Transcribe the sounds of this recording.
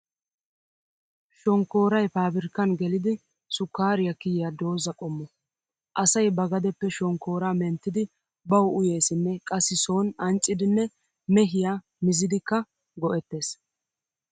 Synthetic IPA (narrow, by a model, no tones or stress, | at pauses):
ʃɔŋkːo̞ːɾɐjpaːbɪɾkːɐnɡɛlɪd̪ɪ | sʊkːaːɾɪjɐkːɪjɪjad̪o̞ːzɐkʼɔmːɔ | ʔɐsɐjbɐɡɐd̪ɛpːɛʃɔŋkːo̞ːɾaːmɛnt̪ːɪd̪ɪ | bɐwʔʊje̞ːsɪnːɛkʼɐsːɪso̞ːnɐnt͡ʃʼːɪd̪ɪnːɛ | mɛɦɪjaː | mɪzɪd̪ɪkːɐ | ɡɔʔɛt̪ːe̞ːs